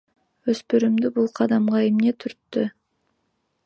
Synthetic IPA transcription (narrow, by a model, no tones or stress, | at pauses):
ɵspyɾymd̪ybulˠqʰɑd̪ɑmʁɑemnet̪ʰyɾt̪ːʏ